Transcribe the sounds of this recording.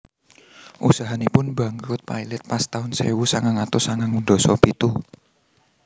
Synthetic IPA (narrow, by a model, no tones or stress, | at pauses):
ʔṵsaɦanipʊnba̤ŋkɾʊt̪̚pa̰ilɛt̪̚past̪aʊnsḛwusaŋaŋat̪ʊsaŋaŋund̪ɔ̤sɔ̰pit̪u